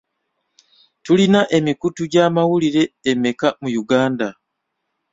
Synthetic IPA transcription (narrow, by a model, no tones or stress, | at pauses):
tulinaʔe̞mikutuɟaːmawuliɾe̞ːme̞kamujuɡaːnda